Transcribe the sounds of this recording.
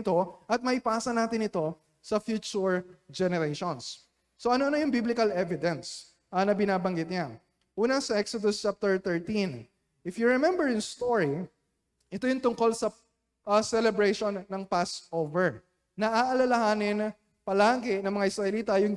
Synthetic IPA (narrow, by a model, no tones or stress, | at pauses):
t̪o̞ʔɐt̪̚mɐhɪpaːsɐnaːt̪ɪnɪt̪o̞ | sɐfjuːt͡ʃuɹd͡ʒɛnɛɾejʃonsː | oʔɐnoʔɐnojʊŋbiblɪkɐlʔɛvɪd̪ɛns | ʔɐnɐbɪnaːbɐŋɡɪt̪̚ɲa | ʔuːnɐsɐʔɛksod̪ʊst͡ʃap̚t̪ɛɹt̪ɛɹt̪in | ʔɪfjʊɹɛmɛ̃mbɛɹjʊŋst̪oɹi | ʔɛt̪ojʊŋt̪ʊŋko̞lsɐ | ʔɐsɛlɛbɹɛjʃonːɐŋpasʔovɛɹ | nɐʔaːʔɐlɐlɐhaːnɪn | pɐlaːɡɛnɐŋmɐŋaʔɪsɹɐʔɛliːt̪ɐjʊŋ